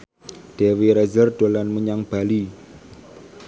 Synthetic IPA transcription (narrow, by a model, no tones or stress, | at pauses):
ɖ̥e̤weɾɛzərɖ̪̥olanməɲaŋb̥a̤li